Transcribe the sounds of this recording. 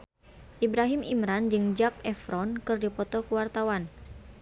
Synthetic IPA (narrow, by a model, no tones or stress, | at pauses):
ʔibɾaɦimḭmɾand͡ʒɨŋd͡ʒak̚ɛfɾɔnkɨrdipɔt̪ɔkuwart̪awan